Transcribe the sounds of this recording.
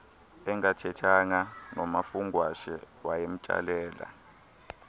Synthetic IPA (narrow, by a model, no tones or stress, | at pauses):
ɛŋatʰɛtʰaŋanɔmafuŋɡwaʃɛ | wajem̩t͡ʃʼa̰lɛːla̰